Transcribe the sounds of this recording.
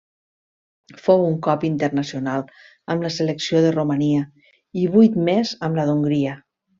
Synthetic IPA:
fowuŋkɔpint̪əɾnəsiunalˠ | əmləseləksioðəruməniə | iβujt̪mezəmləðuŋɡɾiə

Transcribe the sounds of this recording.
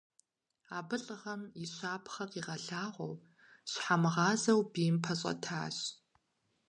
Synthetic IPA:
aːbɨɬʼɨʁɐmiɕaːpʰχɐqiːʁɐɬaːʁʷɔ̰w | ɕħamɨʁɑːzɐwbiːmpʰɐɕʼɐ̰tʰa̰ːɕ

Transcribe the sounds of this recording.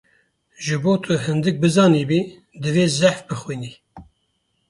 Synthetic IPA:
ʒɨboːt̪ʰɨɦɨnd̪ɨk̚bɨzɑːniːbi | d̪ɨveːzæħfbɨxwiːni

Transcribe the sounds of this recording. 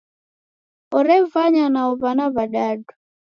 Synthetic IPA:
ɔɾɛvaɲanaɔβanaβaɗaɗu

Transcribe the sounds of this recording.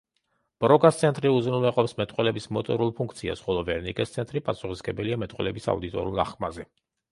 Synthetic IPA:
b̥ɾɔɡast̪sʰɛnt̪ʼɾiuzɾnulɛqʼɔpsmɛt̪ʼqʼwɛlɛbismɔt̪ʼɔɾulˠpʰuŋk̚ʰt̪sʰia̰sχɔlˠɔvɛɾnikʼɛst̪sʰɛnt̪ʼɾipʼasuχisɡɛbɛliamɛt̪ʼqʼwɛlɛbisa̰ud̪it̪ʼɔ̰ɾiulˠa̰χkʰmazɛ

